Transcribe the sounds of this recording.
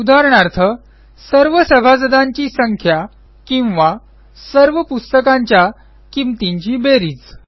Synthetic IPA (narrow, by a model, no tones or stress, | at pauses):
ud̪aɾɳaɾt̪ʰə | səɾʋəsəbʱad͡zəd̪aɲt͡ɕiːsəŋkʰja | kĩw̃ʋa | səɾʋəpust̪əkaɲt͡ɕja | kimt̪iɲt͡ɕiːbeɾiːt͡s